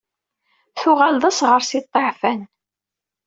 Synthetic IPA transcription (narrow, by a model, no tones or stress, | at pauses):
θʊʁalðˤəsʁəɾsit̪ˤːeʕfæn